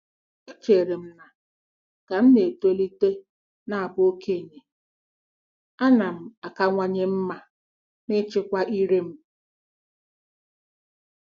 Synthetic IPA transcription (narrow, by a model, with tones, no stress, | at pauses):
e˦t͡ʃe˨ɾe˨m̩˦na˨ | ka˨n̩˦ne˨te˦li˦te˦ | na˨a˨bʊ˦o˦ke˦˨ɲe˨ | a˦na˨m̩˨a˨ka˨ŋʷa˨ɲe˦m̩˦ma˨ | nɪ˦t͡ʃɪ˦kʷa˦ʔi˦ɾe˦m̩˦